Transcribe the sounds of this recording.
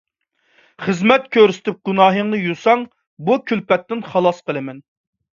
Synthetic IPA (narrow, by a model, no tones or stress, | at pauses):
χəzmɛt̪̚kʲʰøɾsɪ̥t̪ʰɪp̚ɡ̥unɑːɦəŋnɨjusɑŋ | bukʲʰylpɛt̪ːɪnχɑlˠɑsqəlˠɨmɛn